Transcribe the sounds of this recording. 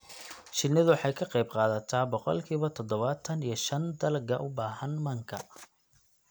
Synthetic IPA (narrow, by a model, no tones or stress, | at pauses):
t͡ʃɪnːɐðʊwħɑjkʰɐqejbqɑːðɐt̪ʰaːbɔqɔ̰lkʰiːβɐt̪ʰɔd̪ɔβɐt̪ʰɐnijɞʃɐnd̪ɐlɡɐʔʊbaːɦɐnmɐŋkʰɐ